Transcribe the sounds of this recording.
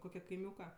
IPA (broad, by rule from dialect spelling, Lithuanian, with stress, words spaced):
ˈkoːkʲɛ kɐɪˈmʲuːkɐ